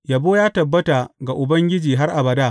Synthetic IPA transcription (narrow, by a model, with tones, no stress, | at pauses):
jɐ˨boː˦jaː˦tɐ˨bːɐ˦ta˨ɡa˨ʔʊ˨bɐ˦ŋɡʲɪ˦d͡ʒiː˨ɦa˦rʔa˨bɐ˨daː˦˨